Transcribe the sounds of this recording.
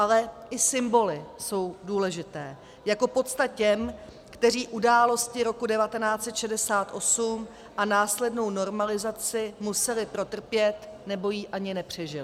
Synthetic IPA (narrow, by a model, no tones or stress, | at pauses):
ʔalɛʔɪsɪmbo̞lɪso̞wduːlɛʒɪt̪ɛː | jako̞po̞t̪st̪at̚cɛm | kt̪ɛr̝iːʔudaːlo̞scɪɾo̞kudɛvat̪ɛnaːt͡sɛt̪ʃɛdɛsaːt̪ʔo̞sum | ʔanaːslɛdno̞wno̞ɾmalɪzat͡sɪmusɛlɪpɾo̞t̪r̩pjɛt̪nɛbo̞jiːʔaɲɪnɛpr̝̥ɛʒɪlɪɪ